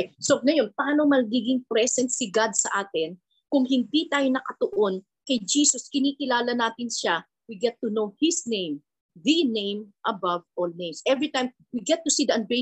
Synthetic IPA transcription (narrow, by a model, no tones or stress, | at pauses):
soŋɐjo̞npaːnomɐɡiɡɪŋpɾɛsɛnt̪sɪɡad̪̚sɐʔaːt̪ɪn | kʊŋɦɪnd̪it̪aːjo̞nɐkɐt̪oʔon | kɐjd͡ʒiːsoskɪniːkɪlaːlɐnaːt̪ɪnʃa | wiɡɛt̪ːunowhɪsnẽjm | ðinẽjmʔɐbavolnẽjmsʔɛvɹit̪ãjm | wiɡɛt̪ːʊsid̪ɐɐ̃nbɹe